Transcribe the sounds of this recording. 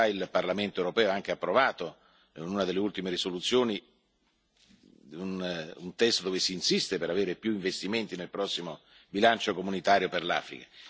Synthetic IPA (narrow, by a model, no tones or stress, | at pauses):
ailparlament̪oewɾopɛːoaŋk̟eapːɾovaːt̪o | inunad̪elːeult̪imeɾisolut̪sːjoːni | ununt̪ɛst̪od̪oːvesiːnsist̪epeɾaveːɾepjuiɱvest̪iment̪inelpɾɔsːimobilant͡ʃokomunit̪aːɾjoperla̰ːfɾḭkḁ